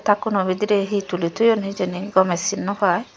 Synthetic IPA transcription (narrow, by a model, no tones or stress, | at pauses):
t̪akunobid̪iɾeɦit̪ulit̪ʰujonɦid͡ʒeniɡɔmesinːɔhɔe